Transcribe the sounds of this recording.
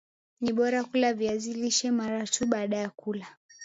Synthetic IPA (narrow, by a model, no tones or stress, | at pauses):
niɓɔɾakulaviaziliʃɛmaɾatuɓaːɗajakula